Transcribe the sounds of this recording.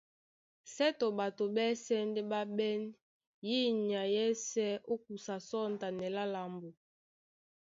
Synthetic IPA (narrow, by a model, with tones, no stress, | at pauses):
sɛ˦to˨ba˨to˨bɛ˦sɛ˦ndɛ˦ɓa˦bɛ˦n | ji˦ɲ˨a˨jɛ˦sɛ˦ʔo˦k̚u˨sa˨sɔ˦˨n˨ta˨nɛ˨la˦la˨mbo˨